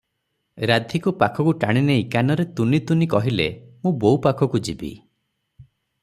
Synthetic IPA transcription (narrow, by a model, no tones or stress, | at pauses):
ɾad̪ʱikupakʰɔkuʈaɽ̃ineikanɔɾet̪unit̪unikɔɦilemũbowpakʰɔkud͡ʒibḭ